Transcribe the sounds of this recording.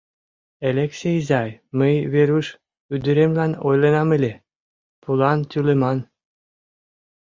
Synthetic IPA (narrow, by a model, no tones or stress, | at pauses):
elʲeksʲejzɑjməjβeɾyʃ | yd̪yɾemlɑnojlĕnɑmelʲe | pulɑnt̪ʲylemɑn